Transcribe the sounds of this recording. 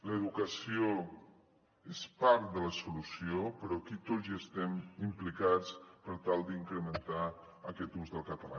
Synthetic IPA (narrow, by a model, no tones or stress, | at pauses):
ləðukəsio | espaɾt̪̚d̪ələsulusiopəɾɔkit̪ozəst̪ɛmimplikat͡spəɾt̪alˠd̪iŋkɾəmənt̪a | əkɛt̪uzðəlˠkət̪əla̰